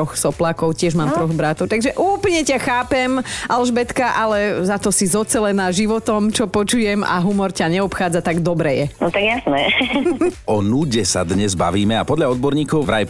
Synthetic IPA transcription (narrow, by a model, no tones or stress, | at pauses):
ɔxsɔplaːkɔʊcɪɛʒmaːmt̪ɾɔɣbɾat̪ɔʊt̪aɡʒɛʔuːplɲɛcaxaːpɛmʔalʒbɛt̪kaʔalɛzat̪ɔsizɔt͡sɛlɛnaːʒiʋɔt̪ɔmt͡ʃɔpɔt͡ʃujɛma̰ɦumɔɾcaɲɛɔpxaːd͡zat̪aɡd̪ɔbɾɛjɛnɔt̪aɡjasnɛ | ɔnuɟɛsad̪ɲɛzba̰ʋiːmɛapɔd̪ʎaɔd̪̚bɔɾɲiːkɔʊʋɾa̰j